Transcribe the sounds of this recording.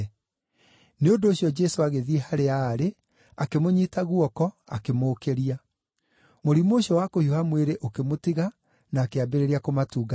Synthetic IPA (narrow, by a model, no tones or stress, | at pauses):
neondoːɕjɔd͡ʒɛsoaɣeðiehaɾeaɾe | akemoɲitaɣuɔkɔa̰kemoːkeɾia | moɾimoːɕiɔwakohiohamweɾeʔokemotiɣa | naːkeabeɾeɾeakomatuːɣa